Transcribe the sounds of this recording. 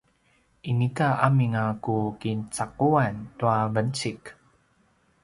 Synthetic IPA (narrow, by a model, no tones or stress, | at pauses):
ʔinikaʔamiŋakukint͡sakuantuavənt͡sik